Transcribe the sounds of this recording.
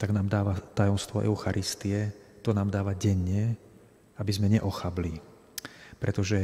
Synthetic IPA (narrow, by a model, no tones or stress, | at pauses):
t̪aɡnaːmd̪aːʋat̪ajɔmst̪ʋɔʔɛ̰ʊxaɾʔist̪iɛt̪ɔnaːmd̪aːʋaɟɛɲːɛ | abizmɛɲɛʔɔxabli | pɾɛt̪ɔʒɛ